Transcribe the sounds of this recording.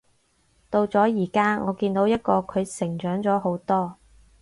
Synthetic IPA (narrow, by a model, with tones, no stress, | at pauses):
t̪o˧wt͡sɔː˨˥jiː˨˩kaː˥ŋʔɔː˨˧kiː˧nt̪o˨˥wjɐ˥t̚kɔː˧kʰɵ˨˧ɥsɪ˨˩ŋt͡ʃœː˨˥ŋt͡sɔː˨˥ɦo˨˥wt̪ɔː˥